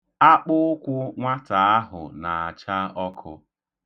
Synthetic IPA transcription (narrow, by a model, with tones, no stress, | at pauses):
a˦k͡pʊ˦ʊ˦kʷʊ˦ŋʷa˦ta˨a˦ɦʊ̰˨na˨a˨t͡ʃa˦ɔ˦kʰʊ̰˦